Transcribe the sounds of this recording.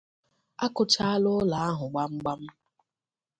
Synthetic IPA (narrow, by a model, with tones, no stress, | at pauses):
a˦kʊ˨t͡ʃa˦a˦lʊ˦la˨a˦ɦʊ˨ɡ͡ba˦ŋ͡m̩˦ɡ͡ba˦m̩˦